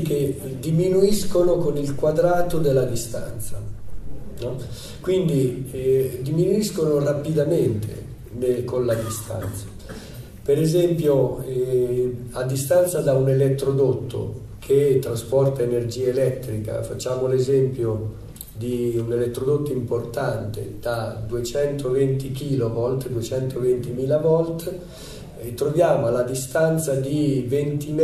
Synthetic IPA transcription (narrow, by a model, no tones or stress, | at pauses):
ked̪iminuiskonokonilkwad̪ɾaːt̪od̪elːad̪ist̪ant̪sa | nɔ | kwind̪i | d̪iminuiskonorapid̪ament̪ḛ | nekonlad̪ist̪a̰nt̪sḁ | peɾezɛmpjo | ad̪ːist̪ant̪sad̪aunelet̪ːɾod̪ot̪ʰːo̰ | kʰeɛt̪ːɾaspɔrt̪aenerd͡ʒiːaelɛt̪ːɾika̰fat͡ʃːaːmolezɛmpjo | d̪iunelet̪ːɾod̪ot̪ːoimport̪ant̪ḛd̪̥ad̪uet͡ʃɛnt̪ovent̪ikiːlovɔlt̪d̪uet͡ʃɛnt̪ʰovent̪imiːlavɔlt̪ | t̪ːɾovjaːmoalad̪ist̪ant̪sad̪ivent̪im